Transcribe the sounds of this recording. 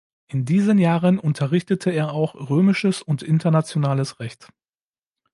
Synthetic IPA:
ʔɪndiːzənjaːʁənʔʊntʰɐʁɪçtətʰəeːɐaʊxʁøːmɪʃəsʊntʔɪntɐnat͡sjonaːləsʁɛçt

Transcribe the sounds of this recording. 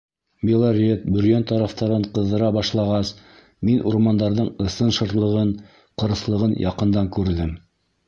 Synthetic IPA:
mʲelˠaɾʲet̪̚bɵ̆ɾjænt̪ɑɾɑft̪ɑɾɤɴqɤ̆ðːɤ̆ɾɑbɑʃlˠɑʁɑs | minʔuɾmɑnd̪ɑɾðɤɴɤ̆sɤnʃɤ̆ɾt̪lˠɤ̆ʁɤn | qɤ̆ɾɤ̆slˠɤ̆ʁɤnjʔɑqɤ̆nd̪ɑŋkʉɾðɘm

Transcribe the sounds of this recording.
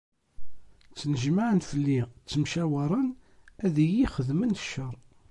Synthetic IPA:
t͡sːnəʒmaʕənθəlːit͡sːəmʃæwəɾˤənæðijiχəðmənəʃːəɾˤ

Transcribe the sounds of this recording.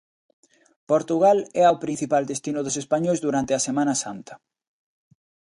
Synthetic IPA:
poɾt̪uɣalɛaopɾin̟θipald̪est̪inʊðʊsespaɲojzðuɾant̪eɐsemãnɐsant̪ɐ̥

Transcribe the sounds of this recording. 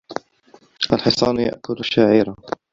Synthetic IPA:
ʔalħɪsˤɑːnja̰ʔkʊlaʃːaːʕiːɾa

